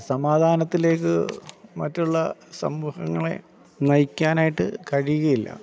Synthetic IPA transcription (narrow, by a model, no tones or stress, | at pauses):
sɐmaːd̪ʱaːnɐt̪ːile̞ːkːɨmɐtːuɭːɐsɐ̰mːuːhɐŋːɐɭe̞̰ | nɐjikʲːaːnaːjiʈːɨ̰kɐɻijuɣɐjilːɐ̰